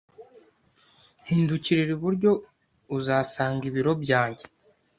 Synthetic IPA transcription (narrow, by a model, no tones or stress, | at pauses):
hiːnduciɾeɾiβuɾɟo̞ | uzaːsaːŋɡiβiɾo̞bjaːɲɟe̞